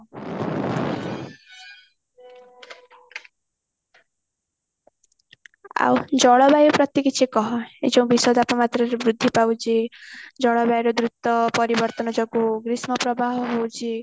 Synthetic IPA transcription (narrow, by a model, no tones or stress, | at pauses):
a̰wd͡ʒɔɭɔbajɔpɾɔt̪jekit͡ʃʰekɔɦɔḛd͡ʒɔw̃bisɔd̪apɔmat̪ɾɔɾebɾud̪ʱːipawd͡ʒed͡ʒɔɭɔbajɾɔd̪ɾut̪ɔpɔɾibɔɾt̪ɔnɔd͡ʒɔɡuɡɾismɔpɾɔbaɦɔɦowd͡ʒe